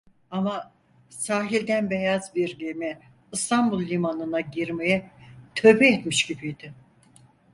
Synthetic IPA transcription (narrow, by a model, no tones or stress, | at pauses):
ama | saːɦilʲd̪ænbejazbiɾlʲimɛ | ɯst̪ʰanbulˠːʲimanɯnaɟiɾmejɛt̪ʰø̞bɛɛt̪miʃɟibijd̪̥ɪ